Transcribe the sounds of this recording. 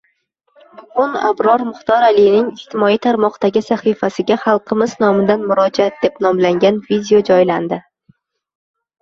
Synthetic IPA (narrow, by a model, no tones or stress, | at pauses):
ʊna̰bɾɒɾmʊχt̪ɒɾalijnɪŋɪʃt̪ʰɪmɒijt̪ʰaɾmɒqd̪̥aɡʲɪsaχifasɪɡʲaχɑlˠqʰɨmɪznɒmɪd̪anmʊɾɒd͡ʒat̪̚d̪̥e̞pnɒmlaŋɡʲanvid̪ʲɪo̞d͡ʒɒjland̪ɪ